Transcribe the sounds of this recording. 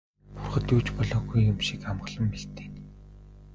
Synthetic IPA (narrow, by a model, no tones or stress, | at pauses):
purχə̆t̪juːt͡ɕpɔɮɔːɣujːʊmʃikamɢə̆ɮə̆mpeɬt̪eːn